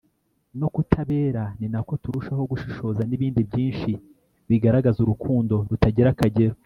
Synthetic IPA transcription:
no̞kutʰaβe̞ːɾaninako̞tuɾuʃaho̞ɡuʃi̥ʃo̞zaniβiːndibɟiːnʃi | βiɡaɾaɡazuɾukʰuːndo̞ɾutaɟiɾakaɟeɾo

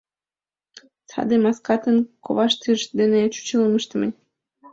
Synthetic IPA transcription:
sɑ̰d̪emɑskɑt̪ənkʰo̰βɑʃt̪yʃd̪enet͡ɕu̥t͡ɕələməʃt̪ə̆mənʲ

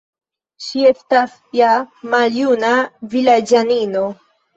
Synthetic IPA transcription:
ʃiest̪as | jamaljunavilad͡ʒanino

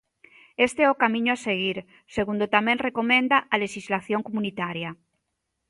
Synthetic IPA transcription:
est̪eeokamĩɲoaseɣ̞iɾ | seɣund̪ot̪amẽnrekomẽnd̪aʔaleʃizlaθjoŋkomunit̪aɾja

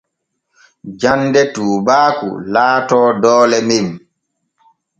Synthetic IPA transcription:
d͡ʒandɛtuːbaːkṵlaːtɔːdɔːlɛmim

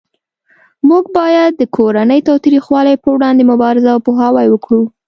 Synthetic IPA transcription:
muɡbɑjad̪ːəkʰoɾanəjt̪ɑwt̪ɾixwɑlajpəwɽɑnd̪emʊbɑɾɪzawpoɦɑwajwəkɽu

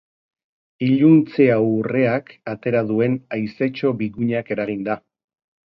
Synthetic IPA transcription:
iʎunt͡se̞awre̞akat̪e̞ɾaðue̞najse̞t͡ʃo̞βiɣuɲake̞ɾaɣind̪a

